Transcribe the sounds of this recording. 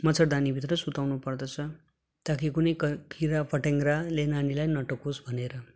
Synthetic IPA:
mʌt͡sʰʌɽd̪anibʱit̪ɾʌsut̪awnupʌrd̪ʌt͡sʰʌ | t̪akʰikunʌjkkiɾapʌʈeŋɡɾalenanilajnʌʈʌkosbʱʌneɾʌ

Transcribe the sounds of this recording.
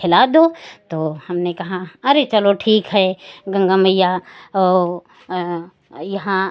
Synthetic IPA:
ɪlad̪ot̪oːhɐmnekɐɦaɐɾet͡ʃɐloʈʰiːkɦɛɡɐ̃ŋɡaməjaɔː | jɐɦã

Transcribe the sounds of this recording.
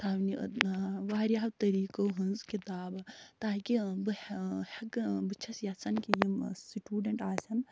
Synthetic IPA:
t̪ʰaːwni | ʋaːɾjaːwt̪ɐɾiːkoɦunzkit̪aːbt̪aːkibɨhɐkbɨt͡ʃʰɐsjasɐnkijimsiʈuːɖɐɳʈaːsɐn

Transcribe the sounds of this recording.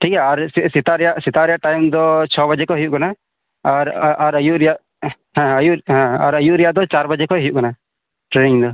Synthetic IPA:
ʈʰikaaɾssɛt̪aɾɛjaʔsɛt̪aʔɾɛjaʔʈajmd̪ɔt͡ʃʰɔbad͡ʒɛkɔɦijuʔkana | aɾaɾəjuʔɾɛjaʔ | ɦɛ̃əjuʔɦɛ̃a̰ɾəjuʔɾɛjaʔd̪ɔt͡ʃaɾbad͡ʒɛkɔɦijuʔkana | ʈɾeniŋd̪ɔ

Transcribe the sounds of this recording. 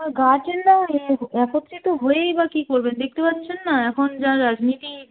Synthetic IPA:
maɡat͡ʃenːaeɦɛpot̪ːɾit̪oɦoeibakikoɾbend̪ek̚t̪epat̪ːɕʰenːaɛkʰond͡ʑaɾːad͡ʑnit̪i

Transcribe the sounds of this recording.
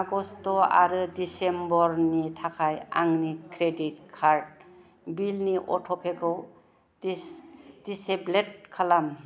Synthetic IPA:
aɡɔstɔa̰ɾɯdisembɔɾnitʰakʰaja̰ŋnikɾedit̚kʰaɾd̚ | bilniʔɔtʰɔpʰekʰɯw | d̥iseblet̚kʰalam

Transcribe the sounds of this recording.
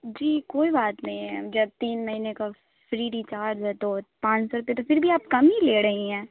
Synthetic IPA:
d͡ʒiːkoːibaːt̪nɐɦĩɦɛd͡ʒɐb̚t̪iːnmɐɦiːneka | fɾiːɖit͡ʃaːɾd͡ʒɦɛt̪oːpãːt͡ʃsɔːɾʊpet̪ofɪɾbʱiaːp̚kɐmileːɾɐɦĩɦɛ̃ː

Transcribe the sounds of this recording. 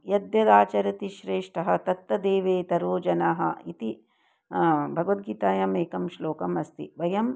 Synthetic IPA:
jɐd̪jɐd̪aːt͡ʃɐɾɐt̪iʃɾeːʂʈɐɦɐ̆t̪ɐt̪ːɐd̪eːʋeːt̪ɐɾoːd͡ʒɐnaːɦɐ̰it̪i | bʱɐɡɐʋɐt̪̚ɡiːt̪aːjɐmeːkɐmʃloːkɐmɐst̪ḭʋɐjɐm

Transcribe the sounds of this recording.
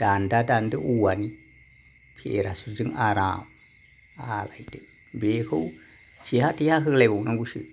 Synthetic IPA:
d̥andadandəʔuwani | pʰḛɾasud͡ʒiŋaɾã | alaitə | behau | t͡ʃihatihaɦəɡlabanaŋɡuʃḭ

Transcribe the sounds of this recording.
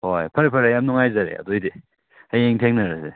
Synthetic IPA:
hojpʰɐɾipʰɐɾajamnuŋajzaɾḛa̰dojdi | ajeŋtʰeŋnaɾasḛ

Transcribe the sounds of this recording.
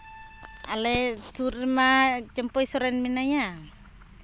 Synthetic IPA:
alesuɾmat͡ʃampɔisɔɾanminaja

